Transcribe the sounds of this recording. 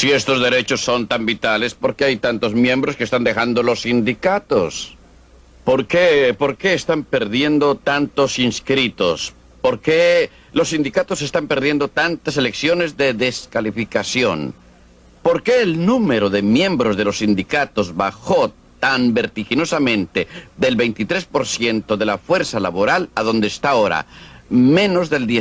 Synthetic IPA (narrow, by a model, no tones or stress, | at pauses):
sie̞st̪o̞zðe̞ɾe̞t͡ʃo̞sːo̞nt̪ambit̪alespo̞ɾkeajt̪ant̪o̞zmje̞mbɾo̞skest̪and̪e̞xand̪o̞lo̞sind̪ikat̪os | po̞ɾkepo̞ɾke̞ːst̪ampe̞ɾðje̞nd̪o̞t̪ant̪o̞sinskɾit̪o̞̰s | po̞ɾke | lo̞sːind̪ikat̪o̞se̞st̪ampe̞ɾðje̞nd̪ot̪ant̪ase̞leksjo̞ne̞zðe̞ðe̞skalifikasjo̞n | po̞ɾke̞ːlnume̞ɾoðe̞mjẽ̞mbɾo̞zðe̞lo̞sːind̪ikat̪o̞zβaxo | t̪ambeɾt̪ixino̞samẽ̞nt̪eðelβe̞jnt̪it̪ɾe̞spo̞ɾsje̞nt̪o̞ðe̞lafwe̞ɾsalaβo̞ɾalaðo̞nd̪eːst̪aoɾa̰mẽ̞no̞zðe̞ld̪je